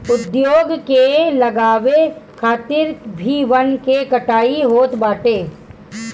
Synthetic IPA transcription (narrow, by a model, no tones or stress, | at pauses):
ʊd̪joːɡkelɐɡaːʋekʰaːt̪ɪɾbʱiːʋənkekɐʈaːiɦoːt̪baːʈeː